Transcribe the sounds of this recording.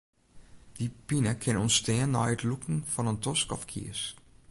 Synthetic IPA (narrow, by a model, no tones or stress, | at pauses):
d̥ipinəkʰɪnɔnstɛːənːɔ̰jətlukŋ̩fɔnəntɔskɔ̰fkʰḭəs